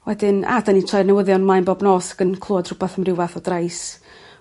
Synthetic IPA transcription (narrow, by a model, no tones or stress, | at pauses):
wɛdɪna̰danitʰrajrnɛwəðjɔnmajnbɔbnɔːsḁɡ̥ənkʰlˠoːd̥rʊbɛθəmrɪwvaθɔdrajs